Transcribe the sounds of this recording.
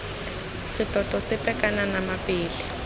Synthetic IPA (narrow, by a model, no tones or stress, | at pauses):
sid̥ʼʱɔd̥ʱɔsipʼɛkananamabiːli